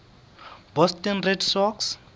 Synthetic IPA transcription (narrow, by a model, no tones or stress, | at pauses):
bɔstɛnrɛdsɔks